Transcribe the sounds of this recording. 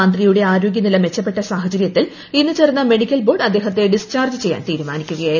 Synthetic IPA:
aːnd̪rijuɽe̞aːɾo̞ːɡjɐnilɐme̞t͡ɕːɐpːe̞ʈːɐsaːɦɐt͡ɕɐɾjɐt̪ːil | inːɨt͡ɕe̞rnːɐme̞ɽikʲːɐlbo̞ːrɖɐd̪ːe̞ːɦɐt̪ːe̞ɖist͡ɕaːrd͡ʑɨt͡ɕe̞jːa̰ːnt̪iːɾumaːnikʲːuɣɐjaːj

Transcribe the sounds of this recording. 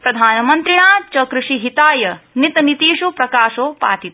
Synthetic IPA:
pɾɐd̪ʱaːnɐmɐnt̪ɾiɳaːt͡ʃɐkɾuʂiɦit̪aːjɐnit̪ɐnit̪iːʃupɾɐkaːʃoːpa̰ːʈ̪it̪̚

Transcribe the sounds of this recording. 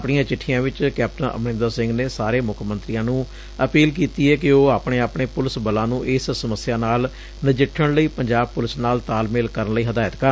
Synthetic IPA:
pɳijãːt͡ʃɪʈʰːijãːʋɪt͡ʃkɛːp̚ʈənʔə̰mnɪ̃nd̪aːsɪ̃ŋɡneːsaːɾeːmʊkʰmənt̪ɾijãːnũː | əpiːlk̬iːt̪iːɛːkɪoːaːpɳeːaːpɳeːpʊlɪsbəlãːnũːʔɪssəməsːjaːnaːl | nəd͡ʒɪʈʰːəɽləiːpəɲd͡ʒaːb̚pʊlɪsnaːlt̪aːlmɪlkəɾənləiːɦəd̪aːət̪kəɾ

